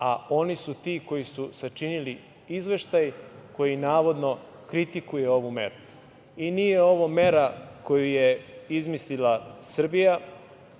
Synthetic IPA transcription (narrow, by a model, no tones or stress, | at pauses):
a̰o̞nisut̪iːko̞jisusat͡ʃinili | izʋe̞ʃt̪ajko̞jinaːʋo̞d̪no̞ | kɾit̪ikuje̞o̞ʋume̞̰ɾu | inijeo̞ʋome̞ɾako̞jujeizmislilasr̩bija